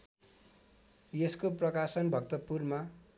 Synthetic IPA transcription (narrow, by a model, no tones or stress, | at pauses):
jeskoprʌkasʌnbʱʌk̚t̪ʌpurma